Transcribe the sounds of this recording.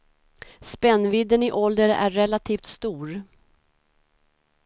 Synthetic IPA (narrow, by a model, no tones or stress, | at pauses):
spɛnːvɪd̪ːənɪʔɔld̪əɾæ̰ːɛlat̪ʰiːft̪st̪uːɾ